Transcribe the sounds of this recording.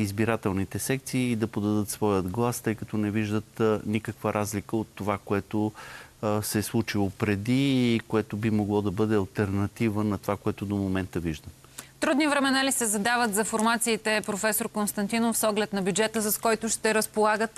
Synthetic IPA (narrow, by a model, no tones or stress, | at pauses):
izbiɾat̪ɛlˠnit̪ɛsɛkt̪siːd̪ɐpod̪ɐd̪ɤt̪svɔjəd̪ɡlˠast̪ɤjkət̪ɔnɛviʒd̪ət̪nikəkvəɾʔazlikəot̪ːovakoɛt̪o | sɛslˠut͡ʃilˠopɾɛd̪iːkoɛt̪obimoɡlˠɔd̪ɐbɤd̪ɛɐlˠt̪ɛɾnɐt̪ivənɐt̪ovakoɛt̪ʊd̪omomɛnt̪əviʒd̪əm | ft̪ɾud̪nivɾɛmɛnalisɛzɐd̪avət̪zɐfoɾmat̪siːt̪ɛpɾofɛsoɾkonst̪ɐnt̪inofsɔɡlɛt̪nɐbʲjud͡ʒɛt̪əsɐskɔjt̪ʊʃt̪ɛɾəspolˠaɡət̪